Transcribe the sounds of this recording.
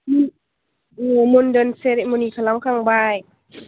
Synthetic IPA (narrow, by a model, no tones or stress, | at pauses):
numondɯnseɾemoniːkʰalamkʰaŋbaːj